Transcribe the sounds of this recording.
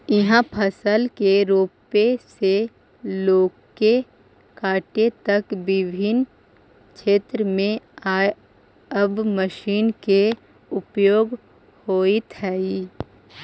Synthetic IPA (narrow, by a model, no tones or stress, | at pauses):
ɪɦãpʰəsəlkeɾoːpese | loːɡke | kaːʈet̪əkbɪbʱɪn | kʰeːt̪ɾəmẽaː | əbməʃiːnke | ʊpjoːɡ | hoːit̪ʰɛːi